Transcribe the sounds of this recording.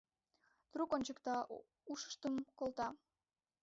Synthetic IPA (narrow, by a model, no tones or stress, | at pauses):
t̪rukonʲt͡ɕəkt̪ɑ | uʃə̥ʃt̪əmkolt̪ɑ